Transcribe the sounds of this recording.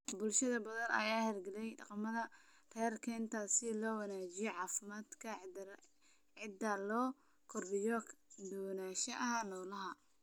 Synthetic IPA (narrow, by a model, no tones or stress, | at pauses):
bʊlʃɐðɐbɐðɐnɐ̰jaːhɛrɡɐlɛjɖɑ̰qɑmɐðɐ | rɛːrkʰɐɪnt̪ʰaːsɪlɔːwɑnaːt͡ʃɪjɔʕɑːfɪmaːd̪kʰɐ | ʕɪd̪ɐlɔː | kʰɔrbɪjɔd̪ɔːnaːʃɐʔɐɦanɔːlɐɦɐ